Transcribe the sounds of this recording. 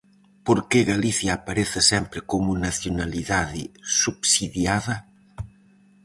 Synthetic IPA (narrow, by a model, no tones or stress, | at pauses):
poɾkeɣaliθjaːpaɾeθɪsɛmpɾɪkomunaθjonaliðaðɪ̰supsiðjaðɐ